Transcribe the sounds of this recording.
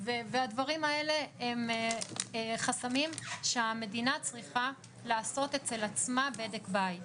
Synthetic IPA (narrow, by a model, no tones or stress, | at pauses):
vevead̪vaʁimae̞le̞em | χasamimʃeame̞dinat͡sʁiχa | laːso̞t̪e̞t͡se̞lat͡smabedekbaj